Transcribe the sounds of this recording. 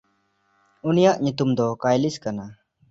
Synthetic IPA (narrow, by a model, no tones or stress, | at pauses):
unijaʔɲut̪umd̪ɔkajliskana